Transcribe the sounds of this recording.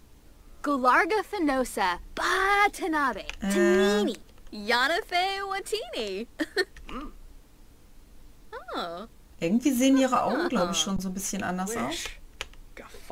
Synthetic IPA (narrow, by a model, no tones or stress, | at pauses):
ɡ̥olɑɹɡəfɨnoʊsəb̥atʰɨnɑbeɪminijɑnəfeɪwətʰini | o | ʔɪɐɡŋ̩tv̥iːzeːənʔiːʁəʔa̰ʊɡŋ̩ɡlaʊbɪçʃoːnzoːnbɪsçənʔa̰ndɐsʔa̰ʊs